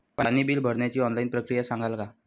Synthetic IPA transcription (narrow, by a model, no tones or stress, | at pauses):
panibiːlbʱəɽɳjat͡ɕiːɔnlainpɾəkɾijasãŋɡʱalka